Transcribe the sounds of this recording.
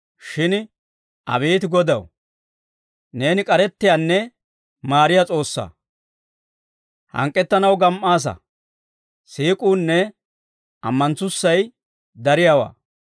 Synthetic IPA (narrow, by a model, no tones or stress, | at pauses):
ʃɪn | ʔɐ̰biːt̪ɪɡɔd̪ɐw | ne̞ːnɪkʼɐɾɛt̪ːɪjanːɛ | maːɾɪjat͡sʼo̞ːsːa̰ː | hɐ̰ŋkʼːɛt̪ːɐnɐwɡɐmʔaːs̬ɐ̰ | siːkʼuːnːɛ | ɐmːɐnt͡sːʊsːɐj | d̪ɐɾɪjawa̰ː